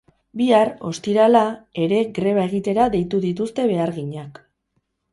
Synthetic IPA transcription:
biaro̞st̪iɾalae̞ɾe̞ɣɾe̞β̞ae̞ɣ̞it̪e̞ɾaðe̞jt̪uðit̪ust̪e̞βe̞aɾɣiɲak

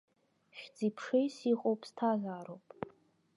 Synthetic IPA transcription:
ʃᶣd͡zipʰʂejsiqʼowpʼstʰazʷaːɾowpʼ

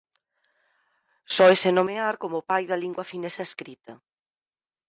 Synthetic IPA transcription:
sɔesenomeaɾkomʊpajðɐliŋɡwɐfinesɐeskɾit̪ɐ

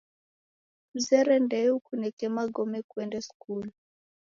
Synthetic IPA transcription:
m̩zɛɾɛndɛukunɛkɛmaɡɔmɛkwɛndɛskulu

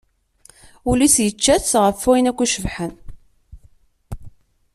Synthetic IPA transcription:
ulisjət͡ʃːæt͡sːʁəfːujnækʷːiʃəvħən

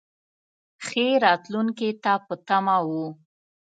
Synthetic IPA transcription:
xeɾɑt̪luŋket̪apət̪amawu

